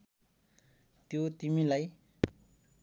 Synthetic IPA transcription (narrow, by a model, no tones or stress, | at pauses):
t̪jot̪imilaj